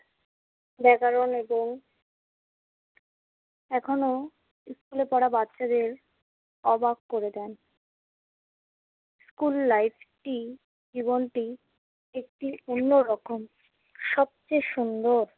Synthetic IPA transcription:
bɛɡaɾoneboŋ | ɛkʰono | skulepɔɽabat̪ːɕad̪eɾ | ɔbʱaɡkoɾed̪ɛn | skulːajpʰʈi | d͡ʑiβonʈi | ek̚ʈionːoɾːɔkom | ʃɔb̚t͡ɕejʃund̪oɾ

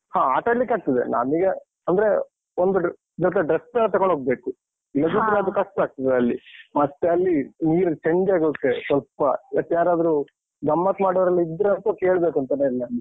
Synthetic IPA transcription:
haːaːʈaɖlikːaːɡ̚t̪ɐd̪ḛna̰ːniɡe | ɐnd̪ɾe̞ | ond̪u | d͡ʒɐt̪ːeɖɾesːɐnːɐt̪ɐɡoɳɖʱoːɡ̚be̞ːku | ilːɐd̪uinɐɐd̪ukɐʂʈaːɡ̚t̪ɐd̪eɐlːḭmɐt̪ːe̞ɐlːiniːɾut͡ʃeɳɖaːɡoːkːesʋɐlpɐɐt̪ːjaːɾaːd̪ɐɾu | ɡɐmːɐt̪maːɽɔʋɐɾɐlːiid̪ːɾeɐnt̪ɐke̞ːɭbe̞ːkuɐnt̪aneilːɐn

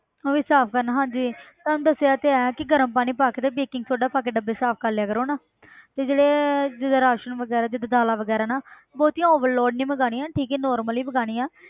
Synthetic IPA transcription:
oːʋiːsaːpʰkəɾnaːɦãːɲd͡ʒiːt̪aːñd̪əsaːt̪eːɛːkɪɡəɾəmpaːñiːpaːket̪eːbeːkɪŋɡt̪ʰoːɖaːpaːkeːɖəbeːsaːp̚ʰkəɾljaːkəɾoːnaː | t̪eːd͡ʒeːɽeːd͡ʒɪd̪aːɾaːʃənʋəɡɛːɾaːd͡ʒɪd̪ad̪aːlaːʋəɡɛːɾaːnaː | bɔːt̪ijãːoːʋəɾlɔːɖnĩːbəɡaːɽ̃ĩːãːʈʰiːkɛːnɔːɾməliːbəɡaːɽ̃iːãː

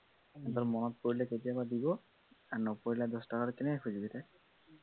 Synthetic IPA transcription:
ɛt̪ɔɹmɔnɔt̚koɹilɛketijabadibɔ | anɔpoɹilad̪ɔstakaɹkɛnɛkʰuzubitʰaj

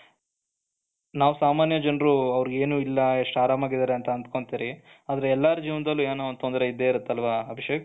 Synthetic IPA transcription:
naːʋusaːmaːnjɐd͡ʒɐnɾuɐʋɾiɡe̞ːnuːilːɐeʂʈaːɾaːmaːɡid̪aːɾeɐnt̪ɐɐnd̪ko̞ɳt̪iːɾi | aːd̪ɐɾeɛlːaːɾud͡ʒiːʋnd̪ɐlːueːnont̪o̞nd̪ɾeid̪ːe̞iɾut̪ːɐlʋaːɐbʱiʂeːk

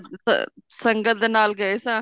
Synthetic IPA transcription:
səŋɡət̪̚d̪eːnaːlɡəesãː

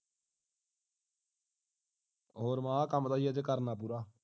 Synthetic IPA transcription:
ɦoːɾmãːkəmt̪aːijaːd͡ʒekəɾnaːp̬uːɾaː

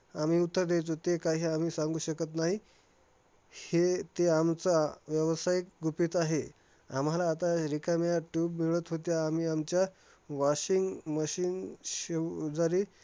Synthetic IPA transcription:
am̤iːut̪ːəɾd̪ejt͡sot̪ekaɦiːam̤iːsãŋɡuːɕəkət̪naɦi | het̪eamt͡saʋjəʋsajik̚ɡupiːt̪aɦe | am̤alaːt̪aɾikameaʈuːbmiɭət̪ɦot̪jaːm̤iːamt͡ɕja | ʋaɕiŋɡməɕiːnɕed͡zaɾiː

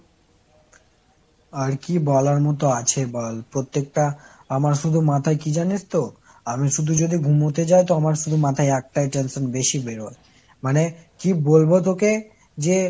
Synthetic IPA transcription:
aɾkibɔlaɾmɔt̪oat͡ɕʰebɔlpɾot̪ːek̚ʈa | amaɾʃud̪ʱumat̪ʰaekid͡ʑaneɾt̪o | amiʃud̪ʱud͡ʑod̪iɡʱumot̪ed͡ʑajt̪oamaɾʃud̪ʱumat̪ʰaejɛk̚ʈajʈensonbeʃibeɾoe | manekibolbot̪ʰoke | d͡ʑe

